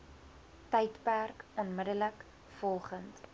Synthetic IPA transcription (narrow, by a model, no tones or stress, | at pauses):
tɛjtpærkɔnmədələk | fɔlˠχənt